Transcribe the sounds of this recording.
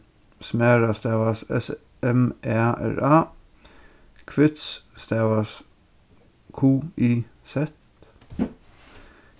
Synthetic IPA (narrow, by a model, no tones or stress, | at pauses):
smæːɹɑst̪ewɑsɛ̰s | ɛmʔeʔæ̰ɹɑː | kʰʋɪt̪sst̪æwɑs | kʰuːiː | sɛt̪